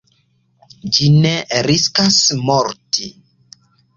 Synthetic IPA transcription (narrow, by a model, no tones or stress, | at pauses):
d͡ʒineɾiskasmɔɾtʰi